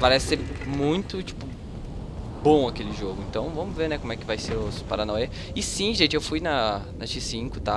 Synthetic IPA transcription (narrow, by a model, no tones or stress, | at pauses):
paɾɛsɪsɪmũj̃t̪ʊt͡ʃi̥pʊ | bõɐkelɪʒoɡʊẽnt̪ɐ̃w̃vɐ̃mʊzveɾnɛkõmʊɛkɪvajseɾʊspaɾanɔjɐ | ɪsĩʒẽnt͡ʃɪewfujnɐnɐʃisĩkʊt̪a